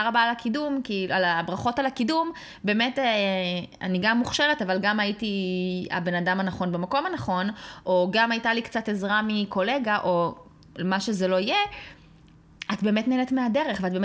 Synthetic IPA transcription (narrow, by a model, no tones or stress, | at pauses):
aʁabaːlakidumkialabʁaχo̞talakidum | be̞ːmetea̰niɡamːuχʃeʁetavalɡamaitia̰be̞nadamanaχo̞nbemako̞manaχo̞nʔo̞ɡamajtalikt͡sate̞zʁamiko̞leɡaʔo̞ | maʃezelo̞ije | ʔatbe̞ːmetneenetmeade̞ʁeχveat̚beːm